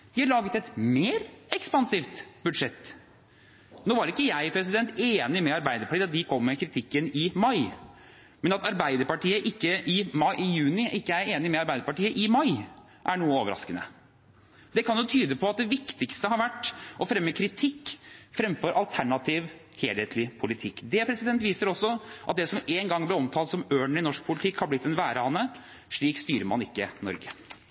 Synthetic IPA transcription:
d̪̥ɪhɑɭɑːɡət̪ɛt̪meːɾɛkspɑnsiːft̪bʉd̪ʂɛt̪ː | noːʋɑɾɪkːəjæɪpʰɾɛs̬ɪd̪ɛnt̪eːnɪmɛɑɾbæɪd̪əɾpɑʈʰiːɑt̪d̪ɪkʰɔmːəkʰɾɪt̪ʰɪkːənɪmɑɪ | mɛnɑt̪ʰɑɾbæɪd̪əɾpɑʈiːəʔɪkːəʔɪmɑɪʔɪjʉːnɪʔɪkːəæɾeːnɪmɛɑɾbæɪd̪əɾpɑʈiːəʔɪmɑɪ | ʔæɳuːəoːʋəɾɑ̰skənə̰ | d̪ɛkʰɑnjʊt̪ʰyːd̪əpʰɔɑt̪̚d̪ɛʋɪkt̪ɪkst̪əhɑɾʋæʈːʔɔfɾɛmːəkʰɾɪt̪ʰɪkːfɾɛmfɔɾʔɑlt̪ʰæɳɑt̪ʰiːʋ | heːlheːt̪ʰlɪpʰʊlɪt̪ʰɪkːd̪ɛpʰɾɛsɪd̪ɛnt̪ʋiːsəɾɔsːɔʔɑ̰t̪̚d̪ɛsɔmeːnɡɑŋːblɪɾɔmt̪ʰɑːlt̪sɔmøːɳɪnɔʂk̚pʰʊlɪt̪ʰɪkːhɑɾb̪lɪt̪̚ːd̪ɛnʋæːɾəɑnːə | ʂɭiːkst̪yːɾəmɑ̰nɪkːənɔ̰ɾɡə

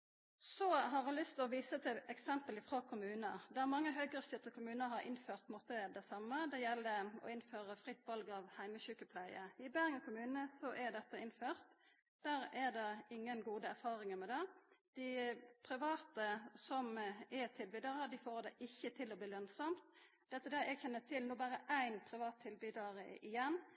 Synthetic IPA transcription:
sɔɦɑʁɑlʏst̪ɔʋiːsət̪ʰɪlɛksɛmpəlɪfʁoːkʰʊmʉːnəd̪æmɑŋːəɦœʏɡəst̪ʏt̪ʰəkʰʊmʉːnəɦɑɾʔɪ̰nføːʁt̪mʊt̪ːəɛd̪æsɑmːəd̪ɛjɛlːəɔ̰ɪnføːʁəfʁɪt̪ːʋɑlɡɑːʋhæɪməçʉːkəpʰlæɪəɪbæʁŋəkʰʊmʉːnnəsɔʔæd̪ɛt̪ːəɪnføːʁt̪ | d̪̥æːɾæd̪ɛɪŋːənɡuːd̪əæʁfɑːʁɪŋəmɛd̪ɛd̪̥ɪpʰɾɪʋɑːt̪əsɔmɛt̪ʰɪlbyːd̪ɑʁəd̪ɪfoːʁd̪ɛʔɪçːət̪ʰɪlɔbliːlœnsɔmt̪ | d̪̥ɛt̪ːəd̪ɛɛɡçɛnːət̪ʰɪlnuːbæːɾəʔæɪnpʰɾɪʋɑːt̪ʰːɪlbyːd̪ɑʁəɪjɛnː

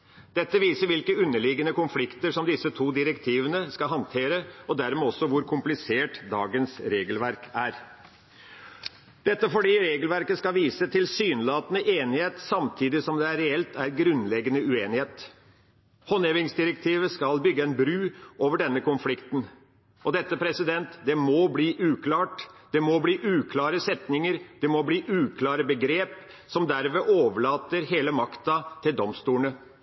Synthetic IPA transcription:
d̪̥ɛt̪ːəʋiːsəɾʋɪlkəʉnːəɭɪɡənəkʊnflɪkt̪əʂɔmd̪ɪsət̪ʰuːd̪ɪɾɛkt̪ʰiːʋənəskɑɦɑnt̪ʰeːɾəɔd̪æɾmeːɔsːɔʋʊɾkʰʊmplɪseːʈd̪ɑːɡənsɾeːɡəlʋæɾkʰæɾ | d̪̥ɛt̪ːəfɔɖiːɾeːɡəlʋæɾkəskɑʋiːsət̪ʰɪlsyːnlɑːt̪ənəʔeːnɪheːt̪sɑmt̪ʰiːd̪ɪsɔmd̪ɛæɾɛɛlt̪æɾɡɾʉnlɛɡənəʉeːnɪheːt̪ | hɔneʋɪŋsd̪ɪɾɛk̚t̪ʰiːʋəskɑlbʏɡːəɛnbɾʉːoːʋəɖɛnːəkʊnflɪkt̪n | ɔd̪ɛt̪ːəpʰɾɛsɪd̪ɛnt̪d̪ɛmɔbliːʔʉːkʰlɑːʈd̪ɛmɔbliːʔʉːkʰlɑːɾəsɛt̪nɪŋəɾd̪̥ɛmɔbliːʔʉːkʰlɑːɾəbəɡɾeːp | sɔmd̪æɾʋeːʔoːʋəɭɑːt̪əɾɦeːləmɑkt̪ɑt̪ʰɪld̪ɔmst̪uːnə

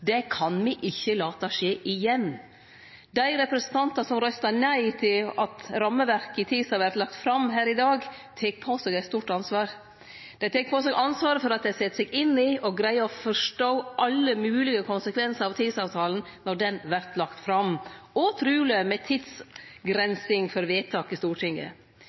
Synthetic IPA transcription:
d̪ɛkʰɑnmiʔɪçːəlɑːt̪ɑʂeːʔɪjɛnː | d̪æɪɾɛpɾɛsən̩t̪ʰɑnt̪ɑsɔmɾœst̪ɑnæɪt̪ʰɪlɑt̪ɾɑmːəʋæɾkɪt̪ʰiːsɑɾʋæɾt̪lɑk̚t̪fɾɑmɦæːɾɪd̪ɑːɡt̪ʰeːk̚pʰoːsɛɡɛɪt̪st̪uːʈɑnsʋɑːɾ | d̪̥ɛɪt̪ʰeːk̚pʰoːsɛɡʔɑnsʋɑːɾəfɔɾɑt̪̚d̪æɪsɛt̪ːsɛɡɪnːɪɔɡɾæɪəɔfɔʂʈoːʔɑlːəmʉːlɪɡəkʰʊnsəkʰʋɛnsəɾɑʋt̪ʰiːd̪sɑːʋt̪ʰɑːln̩ | nɔɖɛnʋæɾt̪lɑkt̪fɾɑmɔt̪ʰɾʉːləmɛt̪ʰɪd̪sɡɾɛnsɪŋfɔɾʋeːt̪ʰɑːkɪst̪uːʈʰɪŋːə̰

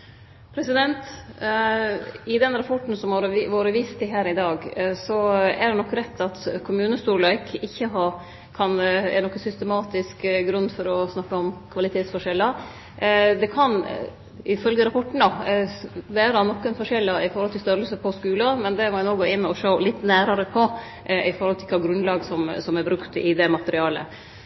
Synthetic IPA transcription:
pʰɾɛsɪd̪ɛnt̪ | ɪd̪ɛnɾɑpʰɔʈːn̩sɔmɑɾəʋoːɾəʋiːst̪ʰɪɦæːɾɪd̪ɑːɡsɔɛæɖɛnɔkːɾɛt̪ʰːɑt̪kʰʊmʉːnəst̪uːɾɭɑɪkʰɪçːəɦɑɾ | kʰɑnɛ̰nɔkːəsʏst̪əmɑːt̪ɪskɡɾʉnd̪fɔɾɔsnɑkːəɔmkʰʋɑlɪt̪ʰeːt̪sfɔʂɛlːə | d̪ɛkʰɑn | ɪfœlɡəɾɑpʰɔʈːɳ̩ɑ | ʋæːɾɑnɔkːənfɔʂɛlːɑɪfɔɾhɔlt̪ʰɪlst̪œɾəlsəpʰɔskʉːlɑmɛnd̪ɛmɔnoːɡʊɪnːɔʂoʊlɪt̪ːnæːɾɑɾəpʰɔ | ɪfɔɾhɔlt̪ʰɪlkʰɑːɡɾʉnlɑːɡsɔmsɔmæɾbɾʉkt̪ɪd̪ɛmɑt̪əɾɪɑːlə̰

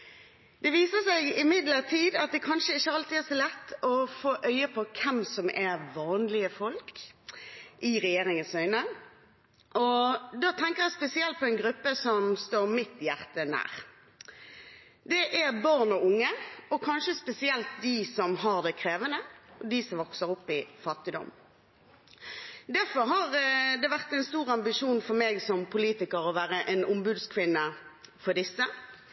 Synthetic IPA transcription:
d̪ɛʋiːsəsɛɪɡɪmɪd̪ləʁt̪ʰiːd̪ɑt̪̚d̪ɛkʰɑnʃəɪçːəhɑlt̪iːæːsɔlɛt̪ːɔfoːʔœʏəpʰɔkʰɛmsɔmɛʋɑːnlɪəfɔlk | ʔɪʁɛjeːʁɪŋənsœʏnə | ʔɔd̪ɑːt̪ʰɛŋkəʁjæɪspɛsɪɛlt̪̚pʰɔɛɪnɡʁʉpːəsɔmst̪oːʁmɪt̪jæʁt̪ənæ̰ːʁ | d̪ɛʔæʁbɑʁnɔʊŋːəɔkʰɑnʃəspɛsɪɛlt̪̚d̪iːsɔmɦɑʁd̪ɛkʰʁeːʋənəɔd̪isɔmʋɔksəʁʊpːɪfɑt̪ːɪd̪ɔ̰m | d̪æʁfɔɾɦɑʁd̪ɛʋæʁt̪ɛnst̪uːʁɑmbɪʂuːnfɔɾmeːɡsɔmpʰʊliːt̪ɪkəɾɔʋæːʁəʔɛnʊmbʉːd̪skʰʋɪnːəfɔd̪ɪsːə

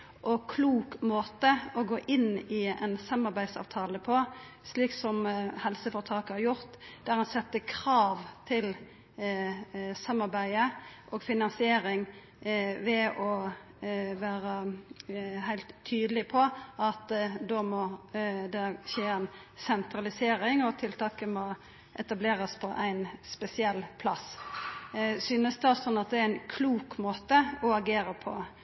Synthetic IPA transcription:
ʔɔkʰluːkmoːt̪əɔɡoːʔɪnːɪɛnsɑmːɑɾbæɪd̪sɑ̰ːʋt̪ʰɑːləpʰɔ | sliːksɔmhɛlsəfɔʁt̪ʰɑːkhɑɾjʊɾt̪d̪̥æɾɑnsɛt̪ːəkʰʁɑːʋt̪ʰɪl | sɑmːɑɾbæɪəʔɔːɡfɪnɑnsɪeːɾɪŋ | ʋɛʔɔ | ʋæːɾə | ɦæɪlt̪ʰːyːd̪əlɪpʰɔɑt̪d̪ɔmɔd̪ɛʃeːɛnsɛnt̪ɾɑlɪseːɾɪŋɔt̪ʰɪlt̪ʰɑːkəmɔ | ʔɛt̪ɑbleːɾəspʰɔʔæɪnspɛsɪɛlːpʰlɑs | syːnəsd̪ɛɔsɔnːɑt̪̚d̪ɛæɾæɪnkʰluːkmoːt̪əɔɑɡeːɾəpʰɔ̰

